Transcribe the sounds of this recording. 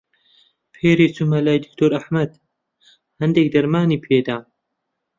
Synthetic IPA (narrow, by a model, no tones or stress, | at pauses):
pʰeːɾiːt͡sumɐlaːjd̪ɪk̚t̪ʰoːɾɐħmɐd̪ | hɐnd̪ek̚d̪ɐɾmaːniːpʰeːd̪aː